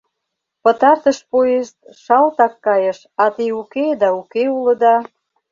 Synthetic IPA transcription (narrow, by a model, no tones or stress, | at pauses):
pə̆t̪ɑrt̪əʃpoeʃt̪̚ʃɑlt̪ɑkːɑjəʃ | ɑt̪iuked̪ɑukeulə̆d̪ɑ